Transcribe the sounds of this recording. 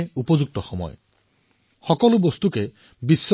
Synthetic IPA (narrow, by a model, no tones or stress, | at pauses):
eupɔd͡ʒuk̚t̪ɔxɔmɔ̰jɔ | xɔkɔlubɔst̪uke | bisː